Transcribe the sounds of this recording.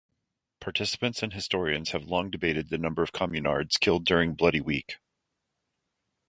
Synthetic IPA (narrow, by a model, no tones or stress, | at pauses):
pʰɑɹtʰɪsə̥pɨ̃ntsɨ̃nɦɨstɔɹiɨ̃nz̥ɨvlɔ̃ŋdɨbeɪɾɨd̪̚ðɨnʌ̃mbə˞ʌv̥kʰɑmjɨnɑ̰ɹdz̥kʰɪlˠdʊɹɪ̃ŋblʌɾiwik